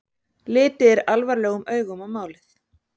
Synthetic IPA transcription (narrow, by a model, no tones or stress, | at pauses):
lɪːt̪ɪɛɾalvaɾlɛːɣʏmœːɥɣʏmawmaːwlɪθ